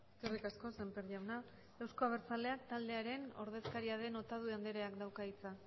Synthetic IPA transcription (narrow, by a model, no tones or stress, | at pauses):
eskerikasko̞se̞mpeɾʝawna | awsko̞aβeɾt͡sale̞ak̚t̪ald̪e̞aɾe̞no̞̰ɾð̞e̞skaɾiað̞e̞no̞t̪að̞uand̪eɾe̞akd̪awkait͡sa